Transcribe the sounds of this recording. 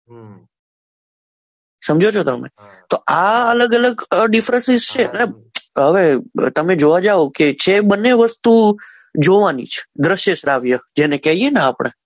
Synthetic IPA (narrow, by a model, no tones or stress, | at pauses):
səmd͡ʒʱot͡ʃʰot̪əmḛ | t̪oʔaələɡələɡɖɪfɾə̃nsɪzt͡ʃʰeəne | ɦəʋet̪əmed͡ʒoʋad͡ʒaʋoket͡ʃʰebənːeʋəst̪u | d͡ʒoʋanḭt͡ʃʰe̥d̪ɾəʃjeʃɾaʋjəd͡ʒenekɛɦienaapəɳ̃ḛ